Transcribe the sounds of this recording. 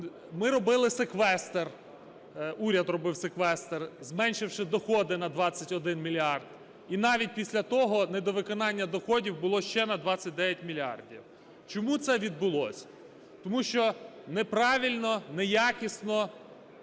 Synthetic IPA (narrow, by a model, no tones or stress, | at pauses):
mɪɾɔbɪlˠɪsekʋɛst̪er | uɾʲɐd̪rɔbɪwsekʋɛst̪erzmɛnʲʃɪwʃɪd̪ɔxɔd̪ɪnɐd̪ʋɑt͡sʲːɐtʲɔd̪ɪnmʲilʲiɑrd̪ | inɑʋʲit̚ʲpʲisʲlʲɐt̪ɔɦɔnɛd̪ɔʋɪkɔnɑnʲːɐd̪ɔxɔdʲiwbʊlˠɔʃt͡ʃɛnɐd̪ʋɑt͡sʲːɐt̚ʲd̪ɛʋʲjɐtʲmʲilʲɑ̰rdʲḭw | t͡ʃɔmut̪sɛʋʲid̪̚bʊlˠɔsʲ | t̪ɔmuʃt͡ʃɔnɛpɾɑʋʲilʲnɔnɛjɑkʲisnɔ